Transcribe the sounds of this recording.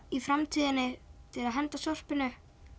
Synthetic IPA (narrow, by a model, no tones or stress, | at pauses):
ifɾamt̪ʰiːðɪnːɪt̪ʰɪlaðɦɛnt̪asɔr̥pɪnʏ